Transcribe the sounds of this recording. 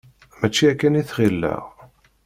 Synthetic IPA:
mæt͡ʃːiækːæniθχilːæ̰ʁ

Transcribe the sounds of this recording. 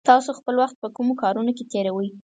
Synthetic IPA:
t̪ɑsoxpəlwaxt̪̚pəkumokɑɾunoket̪eɾawəj

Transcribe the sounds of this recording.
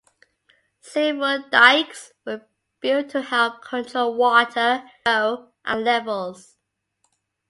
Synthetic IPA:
sevədaɪkswə | b̥itʰəhɛlˠp̚kʰə̃ntʰɹolwɔtʰəʊ | ʔə̃nlɛvəlˠz̥

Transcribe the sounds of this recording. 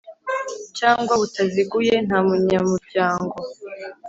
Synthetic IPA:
caːŋɡwaβutaziɡuje̞n̥haːmuɲamuɾɟaːŋɡo̞

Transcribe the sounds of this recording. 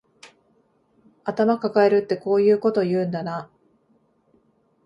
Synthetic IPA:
at̪amakakae̞ɾɯ̟t̪ːe̞ko̞ːjɯ̟ːko̞t̪o̞jɯ̟ːnd̪ana

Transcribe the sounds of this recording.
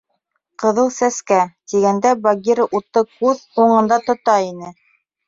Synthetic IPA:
qɤ̆ðɤlˠsæskæt̪iɡænd̪æbɐɡʲiɾʔut̪ːɤkʉðuɴɤ̆nd̪ɑt̪ŏt̪ɑinɘ

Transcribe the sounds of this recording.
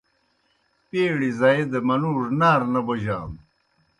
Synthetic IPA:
peːɽizaed̪ɐmɐnuːɾnaːɾnɐboʑaːm

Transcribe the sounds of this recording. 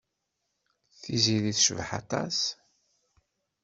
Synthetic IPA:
θiziliθʃəvħɑ̰t̪ˤɑ̰s

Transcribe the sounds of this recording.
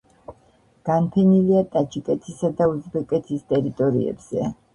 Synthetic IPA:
ɡ̥anpʰɛniliat̪ʼat͡ʃʰʼikʼɛt̪ʰisad̪auzbɛkʼɛt̪ʰist̪ʼɛɾit̪ʼɔɾḭɛ̰b̥z̥ɛ

